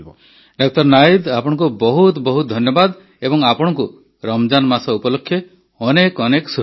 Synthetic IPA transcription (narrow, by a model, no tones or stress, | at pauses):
ɖɔk̚ʰt̪ɔɾnajid̪apɔɽ̃ɔ̃ŋk̬ubɔɦut̪bɔɦut̪d̪ʱɔnjɔbad̪ | ebɔŋapɔɽ̃ɔŋku | ɾɔmd͡ʒanmasɔupɔlokʰːje | ɔnekɔnekɔsu